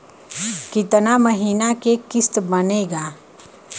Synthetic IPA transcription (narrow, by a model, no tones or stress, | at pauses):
kɪt̪naməɦiːnakekɪst̪bəneːɡaː